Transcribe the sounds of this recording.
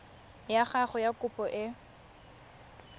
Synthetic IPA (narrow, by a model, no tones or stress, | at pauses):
jaχaχʊjakʊpʼɔʔɪ